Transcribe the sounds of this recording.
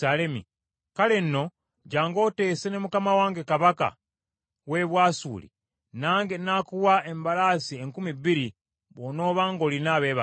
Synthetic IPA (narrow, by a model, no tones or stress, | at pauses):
alemḭ | kale̞nːo̞ | ɟaːŋɡo̞ːte̞ːsene̞mukamawaːŋɡe̞kaβaka̰ | we̞βwaːsṵːlḭ | naːŋɡenaːkuwae̞mbalaːsieŋkumibːiɾi | βono̞ːβaːŋɡo̞ːlinaːβeːβa